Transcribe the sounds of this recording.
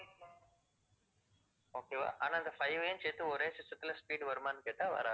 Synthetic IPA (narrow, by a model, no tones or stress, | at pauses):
oːkeːʋa̰ːʔa̰ːnaːɪnd̪ɐfɐɪʋent͡ʃeːt̪ːɯɔɾeːsɪsɐt̪ːɪlɐspiːɽʋɐɾɯmaːnɯkeːʈːaːʋɐ̰ɾa̰ː